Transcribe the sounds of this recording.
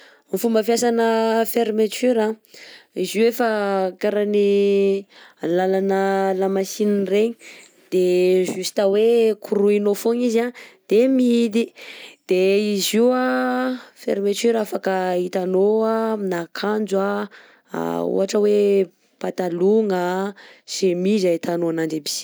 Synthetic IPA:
mifumbəfjasanəfeɾmet͡ʃyɾa | iziefakaɾani | lalanəlamasinireɲi̥ | d̪̥eʒusi̥t̪əwekuɾuinofoŋizad̪̥emiid̪id̪̥eiziwa | fḛɾimet͡ʃyɾafakəit̪anoaminakʰand͡zwa | a̰ṵɦaʈ͡ʂəwe | pat̪aluŋasemizait̪anoanaɳɖ͡ʐebi̥

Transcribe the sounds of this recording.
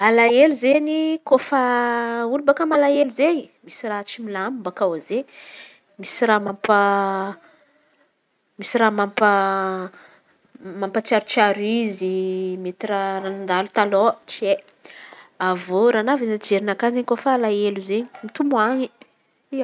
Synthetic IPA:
alaeluzeɲikofaulubakəmalaeluzeɲimisirat͡ʃimilamumbakawaze | misiramampa | misiramampa | mampat͡ʃaɾut͡ʃiaɾizimet̪iraranand̪alut̪alot͡ʃie | avoɾanavizad͡ʒeɾinakazeɲkofaalaeluzeɲi̥mit̪umuaɲi | ia

